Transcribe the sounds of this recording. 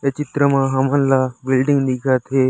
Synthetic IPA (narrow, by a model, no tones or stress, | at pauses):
et͡ʃɪt̪ɾəmãːɦamənlaːbɪlɖɪ̃ŋɡnikʰaːt̪ʰeː